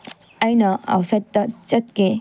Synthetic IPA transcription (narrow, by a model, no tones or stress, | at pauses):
ɐjnɐa̰wsajtːɐt͡ʃɐt̚ke